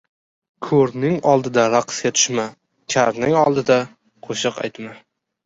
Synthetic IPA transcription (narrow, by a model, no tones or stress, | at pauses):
kʰɵɾnɪŋɒlˠd̪ɪd̪aɾaqʰskʲat̪ʰʊ̥ʃma | kʲʰaɾnɪŋɒlˠd̪ɪd̪a | qʰoʃɨqa̰jt̪ma